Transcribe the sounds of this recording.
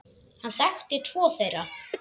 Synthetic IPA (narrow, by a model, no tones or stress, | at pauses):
hanɬɛxt̪ɪt̪ʰv̥ɔːθejɾa